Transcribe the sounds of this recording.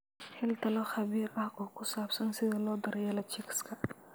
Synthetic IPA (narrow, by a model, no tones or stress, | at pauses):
hɪlt̪ʰɐlɔχɐβiːrɑħʔʊkʰʊsaːbsɐnsɪðɐlɔːd̪ɐɾjɛlɐt͡ʃɪkʰskʰɐ